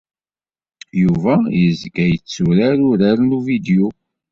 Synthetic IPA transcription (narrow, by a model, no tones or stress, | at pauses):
juvæjəzɡæjət͡sːuɾaɾʊɾaɾnuvid̪eu